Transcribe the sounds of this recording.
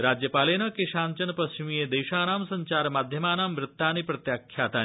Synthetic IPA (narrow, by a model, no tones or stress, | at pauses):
ɾad͡ʑjəpalenɐkeɕaːnt͡ɕɐnpəst͡ɕimijed̪ejɕaːnaːmsɐɲt͡ɕaːɾmaːd̪ʱjəmaːnaːmʋɾɪt̪ːaːnipɾɐt̪jakʰjaːt̪a